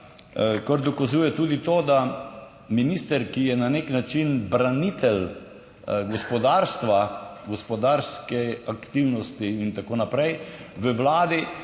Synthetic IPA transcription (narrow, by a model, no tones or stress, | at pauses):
kɔɾd̪ɔkazuːjɛt̪uːd̪it̪oːd̪a | minist̪əɾkijɛnaneknat͡ʃinbɾanit̪ɛl | ɡɔspɔd̪aɾst̪ʋaɡɔspɔd̪aɾskɛakt̪iwnɔst̪iːnt̪akoːnapɾɛjʋəʋlaːd̪i